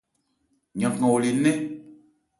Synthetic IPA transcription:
ɲã˨kŋã˨wo˨li˨nɛ̃˦

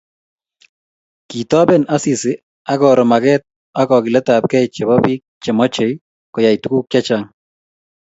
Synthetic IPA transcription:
ki˨tɔ˦bɛ˦na˦si˨sɪ˨ | a˦ɡɔɾɔ˨ma˨ɡɛt̪̚ | a˦kɔ˨ki˨lɛ˦ta˨p̚kɛ˦jt͡ʃɛ˨bɔ˦bi˦k̚t͡ʃɛ˨mɔ˦t͡ʃe˨j | kɔ˨ja˨jtu˦ku˦kt͡ʃja˦t͡ʃaŋ

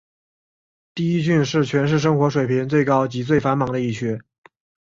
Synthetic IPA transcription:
t̪i˥˧i˥t͡ɕy˥˧nʂɻ̩˥˩t͡ɕʰɥɛ˧˥nʂ̬ɻ̩˥˩ʂ̬ɤ˥ŋxwɔ˧˥ʂwe˨˩ɪpʰi˧˥ŋt͡swe˥˩ɪkɑ˥ʊt͡ɕi˧˥t͡swe˥˩ɪfa˧˥nmɑ˧˥ŋd̪ə˧i˥˩t͡ɕʰɛ˥

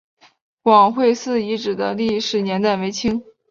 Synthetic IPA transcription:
kwɑ˨˩ŋxwe˥˧ɪsɹ̩˥˩i˧˥ʈ͡ʂɻ̩˨˩d̪ə˦li˥˩ʂɻ̩˨˩njɛ˧˥nt̪a˥˩ɪwe˧˥ɪt͡ɕʰi˥ŋ

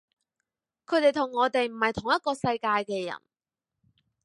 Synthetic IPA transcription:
kʰɵ˨˧ɥt̪e˨˩jt̪ʰʊ˨˩ŋːɔː˨˧t̪e˨jm̩˨˩hɐ˨jt̪ʰʊ˨˩ŋjɐ˥t̚kɔː˧sɐ˧jkaː˧jkɛː˧jɐ̰˨˩n

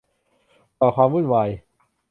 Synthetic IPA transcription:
kɔː˨˩kʰwaː˧muː˥˩nwa˧j

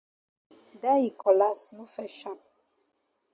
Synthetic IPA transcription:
da˦i˨kɔ˨la˦snu˦fɛ˨ʃa˨m

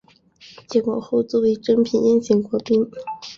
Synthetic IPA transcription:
t͡ɕɛ˧˥kwa̰˨˩xo˥˧ʊt͡swɔ˥˩e˥˧ɪʈ͡ʂɤ˥ŋpʰi˨˩njɛ˥˧nt͡ɕi˧˩ŋkwɔ˧˥pi˥n

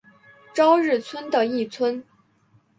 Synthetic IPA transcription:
ʈ͡ʂɑ˥ʊɻɻ̩˥˩t͡sʰwə˥nd̪ə˨i˥˩t͡sʰwə˥n

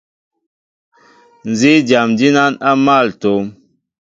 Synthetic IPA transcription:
n˨zi˦d͡ʒa˨md͡ʒi˦na˦na˦ma˦˨lto˨˦m

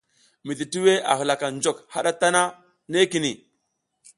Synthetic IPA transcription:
mi˨ɮi˨ti˦we˦a̰˨xə˨la˨ka˨nd͡ʒo˨kha˦ɗa˦ta˦na˦ | ne˦ki˨ni˨

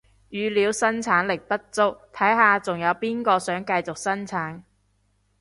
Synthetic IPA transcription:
jyː˨˧liː˨˧wsɐ˥nt͡sʰaː˨˥nlɪ˨k̚p̪ɐ˥t̚t͡sʊ˥k̚t̪ʰɐ˨˥jɦaː˨t͡sʊ˨˩ŋjɐ˨˧wpiː˥nkɔː˧sœː˨˥ŋkɐ˧jt͡sʊ˨k̚sɐ˥nt͡sʰaː˨˥n

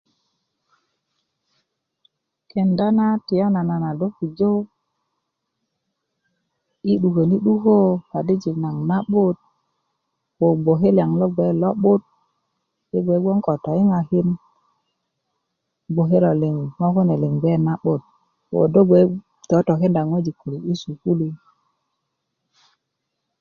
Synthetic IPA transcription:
ke˨nda˦na˦ti˨jo˦na˨na˨na˨do˦ki˨d͡ʒo˦ | i˦ɗu˨ke˨ni˦ɗu˦ko˦pa˨di˦d͡ʒi˨kna˨ŋna˦ɓu˦t̚ | wo˨ɡ͡bo˨ɦe˦la˨ŋlo˦ɡ͡be˨˦lo˦ɓu˦t̚ | i˦ɡʷe˨˦ɡo˦ŋko˨to˨i˦ŋa˨ki˦n | ɡ͡bo˨ɦe˦ɾo˨li˨ŋma˦ku˦ne˨li˨ŋɡ͡be˦na˦ɓo˦t̚ | wo̰˨do˦ɡʷe˨˦ | to˨˦to˨ke˦nda˨ŋwe˦d͡ʒi˨ku˨li˨i˦su˨ku˦li˦

